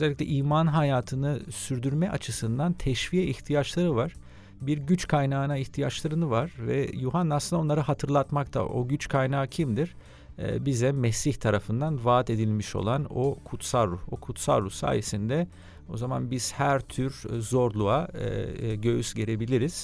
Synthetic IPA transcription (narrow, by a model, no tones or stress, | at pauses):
øzɛlʲːicʲlʲɛ̰ʔiːmanɦajaːt̪ʰɯnɯsyɾd̪yɾmɛʔat͡ʃʰɯsɯnd̪ant̪ʰɛʃvijɛiçt̪ʰijat͡ʃlˠaɾɯvaɾ̥ | biɾɟyt͡ʃkʰajnaːnaiçt̪ʰijat͡ʃlˠaɾɯnɯvaɾ̥vɛ̰juɦanːaslɯnd̪ao̞nˠaɾaɦat̪ʰɯɾlˠat̪mak̚t̪ʰa̰ʔo̞̰ɟyt͡ʃkʰajnaːcʰimd̪iɾ̥̰ | bizɛmɛsiçt̪ʰaɾafɯnd̪anvaːt̪e̞d̪ilʲmiʃo̞̰lˠano̞kʰut̪salːuhokʰut̪sa̰lˠɾusa̰ːjesind̪ɛ | o̞̰zamanbiz̥hæɾt̪ʰyɾzo̞ɾlˠua | ɟø̞jysɟe̞ɾe̞bilʲiɾiz̥